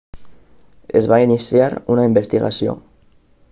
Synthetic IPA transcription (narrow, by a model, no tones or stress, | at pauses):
ezβainisjaɾunaimbest̪iɣa̰sio̰